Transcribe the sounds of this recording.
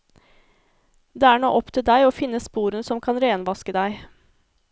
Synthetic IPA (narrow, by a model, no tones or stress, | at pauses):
d̪eːæːɳo̰ːʔɔpt̪ʰɪld̪æɪoːfɪnːəspuːɾənsɔmkʰɑnɾeːnʋɑskəd̪æɪ